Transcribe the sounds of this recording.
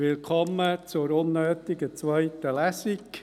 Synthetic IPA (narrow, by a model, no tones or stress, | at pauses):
ɪlkʰɔmːət͡sʊɾʊnːøːt̪ɪɡət͡sʋœɪt̪əlæsɪk